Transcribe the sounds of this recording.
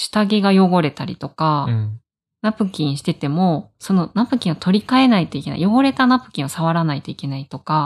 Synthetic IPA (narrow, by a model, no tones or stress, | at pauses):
ɕi̥t̪aɡʲe̞ɡajo̞ɡo̞ɾe̞t̪aɾʲḭt̪o̞ka | napɯ̟kʲĩɰ̃ɕi̥t̪e̞t̪e̞mo̞so̞no̞napɯ̟kʲĩɰ̃ot̪ʰo̞ɾʲikae̞nait̪o̞ike̞na̰ḭjo̞ɡo̞ɾe̞t̪anapɯ̟̥kʲĩɰ̃osaβaɾanait̪o̞ike̞nait̪o̞ka